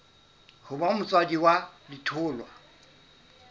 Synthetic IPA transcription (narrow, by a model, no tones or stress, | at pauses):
hʊbamʊt͡sʼwadiwalɪtʰʊːlwa